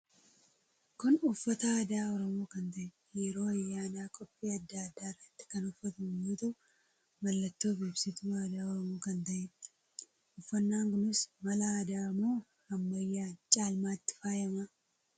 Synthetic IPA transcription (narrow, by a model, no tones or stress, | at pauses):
kʊnʊfːɐt̪ɐaːd̪aːɔɾɔmoːkɐnt̪ɐʔɛ | jɛɾo̞ːɐjːaːd̪aːkʼɔpʼːiːɐd̪ːaɐd̪ːaːrːɐt̪ːɪ̥kɐnʊfːɐt̪ɐmjuːt̪ʊ | bɐlːɐt̪ːoːfiːbsɪt̪ʊaːd̪aːɔɾɔmoːkɐnt̪ɐʔɛ | ʊfːɐnːaːŋkʊnɪsmɐlɐːd̪aːmoː | hɐmbɐjːaːt͡ʃʼaːlmaːt̪ːɪ̥faːjɐmɐ